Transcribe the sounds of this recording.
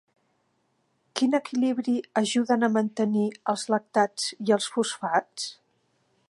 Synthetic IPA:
kinəkiliβɾiəʒuðənəmənt̪əniəlˠzlək̚t̪ad͡ziəlˠsfusfat͡s

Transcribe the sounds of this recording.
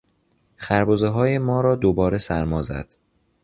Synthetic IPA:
xæɾboːzeɦɒːjemɒːɾɒːd̪obɒːɾe̞sæɾmɒːzæ̰d̪̥

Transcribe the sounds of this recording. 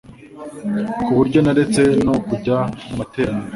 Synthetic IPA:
kuβuɾɟo̞naɾe̞t͡se̞no̞kuɟamumate̞ːŋa

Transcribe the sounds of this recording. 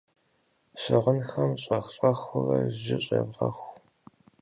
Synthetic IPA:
ɕɨʁənxɐmɕʼɐxɕʼɐxʊrɐʑɪɕʼɐvʁɐxʷ

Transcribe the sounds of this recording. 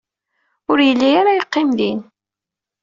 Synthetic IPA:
ʊɾjəlːijaɾajəqːɪmðin

